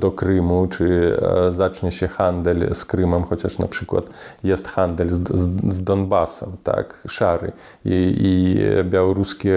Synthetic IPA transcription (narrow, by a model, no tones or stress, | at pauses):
d̪ɔkɾɨmut͡ʂɨzat͡ʂɲɛɕɛxand̪ɛlʲskɾɘmɛmxɔt͡ɕaʂna̰pʂɘkwa̰t̪jɛst̪xand̪ɛlʲzd̪ɔnbasɛ̰mt̪a̰kʂaɾɨ̰ | iibʲjawɔɾuskʲɛ